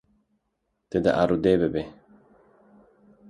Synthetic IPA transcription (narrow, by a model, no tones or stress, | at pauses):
t̪ed̪a̰ʔaɾud̪ebebe